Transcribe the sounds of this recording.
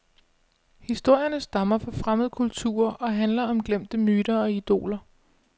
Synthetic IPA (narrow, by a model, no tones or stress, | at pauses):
hisd̥o̝ɐ̰jɐnəsd̥ɑ̈mɐfɒ̽fʁaməð̩ˠkʰult͡sʰṵːɐɒ̽ɦænlɐɒ̽mɡ̥lem̰d̥əmyːɾ̥ɐɒ̽id̥o̝̰ːlɐ